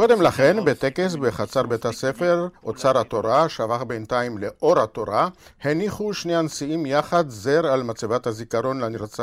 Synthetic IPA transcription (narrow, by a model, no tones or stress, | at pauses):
ko̞d̪emlaχe̞nbet̪e̞ke̞s̬beχat͡saʁbet̪hase̞fe̞ʁot͡saʁhat̪o̞ʁaʃavaχbent̪aimleʔʔo̞ʁhat̪o̞ʁaheniχuʃneansiimjaχadzeʁalmat͡savat̪hazikaʁo̞nlaniʁt͡sa